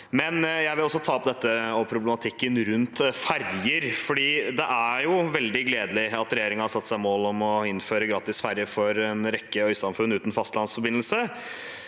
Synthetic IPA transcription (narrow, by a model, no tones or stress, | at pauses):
mɛnjæɪʋɪlɔsːɔt̪ʰɑːɔpd̪ɛt̪ːəɔpʰɾʊblɛmɑt̪ʰɪkːənɾʉnt̪fæɾjəɾfɔɖiːd̪ɛʔæɾjʊʋɛld̪ɪɡleːd̪əlɪɑt̪ɾɛjeːɾɪŋənhɑsɑt̪ːsæɪmoːlɔmɔɪnføːɾəɡɾɑːt̪ɪsfæɾjəfɔɾɛnɾɛkːəœʏsɑmfʉnːʉːt̪n̩fɑst̪lɑnsfɔɾbɪnəlsə